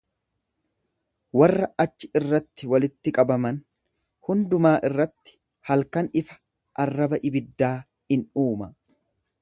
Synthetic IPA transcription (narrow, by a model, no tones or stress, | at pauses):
wɐrːɐɐt͡ʃːɪɪrːɐt̪ːɪwɐlɪt̪ːɪkʼɐbɐmɐn | hʊnd̪ʊmaːʔɪrːɐt̪ːɪ̥ | hɐlkɐnɪfɐ̥ | ʔɐrːɐbɐʔɪbɪd̪ːaː | hɪnuːmɐ